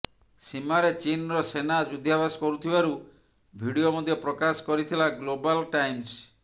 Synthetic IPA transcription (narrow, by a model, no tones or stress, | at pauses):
simaɾet͡ʃinɔɾɔsenad͡ʒud̪ʱjabasɔ̥kɔɾut̪ʰibaɾu | bʱiɽiomɔd̪ʱjɔpɾɔkasɔ̥kɔɾit̪ʰilaɡlobalʈajms